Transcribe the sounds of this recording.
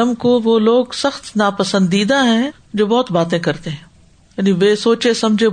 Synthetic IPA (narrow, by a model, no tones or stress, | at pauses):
əmkoʋoːloːɡsɐxt̪naːpɐsə̃nd̪iːd̪aɦɛ̃ː | d͡ʒoːbɔːt̪baːt̪ẽkɐɾt̪eɦɛ̃ː | jaːniʋeːsoːt͡ʃesɐmd͡ʒʱe